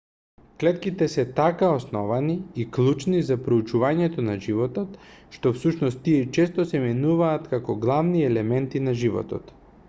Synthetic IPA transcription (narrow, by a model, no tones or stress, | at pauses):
klɛt̪kit̪ɛsɛt̪akaosnɔvaniiklˠut͡ʃnizapɾout͡ʃuvaɲɛt̪ɔnaʒivɔt̪ɔt̪ʃt̪ofsuʃnɔst̪ːiɛt͡ʃɛst̪osɛmɛnuvaːt̪kakɔɡlˠavniɛlɛmɛnt̪inaʒivɔ̰t̪ɔ̰t̪